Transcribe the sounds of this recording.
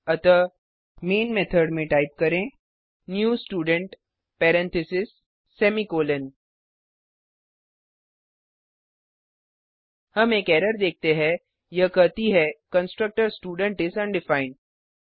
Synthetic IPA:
ɐt̪ə | meːnmet̪ʰəɾɖmẽʈaːɪp̚kɐɾẽː | njuːsʈuːɖə̃ɳʈ | pɛːɾɛ̃nt̪ʰɪsɪsː | ɛːmikoːlən | hɐmeːkɛːɾəɾd̪eːk̚t̪eɦɛ̃ | jɐkɐɾt̪iɦɛkə̃nsʈɾək̚ʈəɾsʈuːɖə̃ɳʈɪsɐ̃ɳɖɪfaːɪ̃ɳɖ

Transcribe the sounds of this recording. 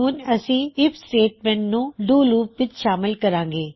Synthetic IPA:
uːnəsĩːɪpʰsʈeːʈmɛ̃ːɳʈnũːɖuːluːpʋɪt͡ʃʃaːmɪlkəɾãːŋɡeː

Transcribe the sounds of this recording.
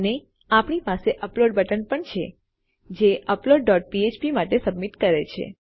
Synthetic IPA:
əne | apɳipaseʔəploɖbəʈənpəɳt͡ʃʰḛ | d͡ʒeʔəploɖːɔʈ̚piet͡ʃpimaʈesəbmiʈkəɾet͡ʃʰḛ

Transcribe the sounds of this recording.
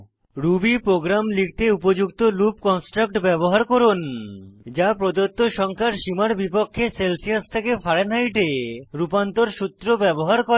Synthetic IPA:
ɾubipɾoɡɾamlik̚t̪eupod͡ʑukt̪olup̚kɔnsʈɾak̚ʈbɛboɦaɾkoɾund͡ʑapɾod̪ot̪ːoʃɔŋkʰaɾʃimaɾbipokʰːeselsiast̪ʰekefʰaɾenajʈeɾupant̪oɾʃut̪ːɾobɛboɦaɾko

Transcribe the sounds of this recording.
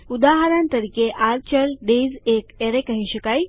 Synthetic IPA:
ud̪aɦaɾãnt̪əɾiːkeʔaɾt͡ɕəɾɖed͡zekeɾekaɦiɕəkaj

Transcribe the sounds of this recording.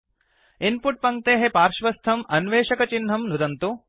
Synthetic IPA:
inpuʈ̚pɐŋk̚t̪eːɦepaːɾʃʋɐst̪ʰɐmɐnʋeːʃɐkɐt͡ʃinɦɐmnud̪ɐnt̪u

